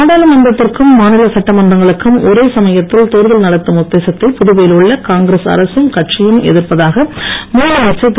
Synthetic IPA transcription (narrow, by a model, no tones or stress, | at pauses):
aːɽaːlɐmɐnd̪ɐt̪ːɪrkɯmːaːnɪlɐsɐʈːɐmɐndrɐŋɡɐɭɯkːɯmɔɾeːsɐmɐjɐt̪ːɪlt̪oːɾðɐlnɐɽɐt̪ːɯmʊt̪ːeːsɐt̪ːɐɪpʊðʊbɐjɪlʊɭːɐkaːŋɡɾesɐ̰ɾɐsɯmkɐʈʂɪjɯmɛ̰ðɪrpɐðaːɣɐmuːɾɐeːt͡ʃːɐɪt̪ː